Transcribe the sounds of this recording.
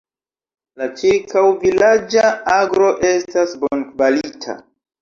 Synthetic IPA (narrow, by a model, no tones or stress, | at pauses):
lat͡ʃiɾkawvilad͡ʒaaɡɾo̞ʔe̞stasbonkvalitʰa̰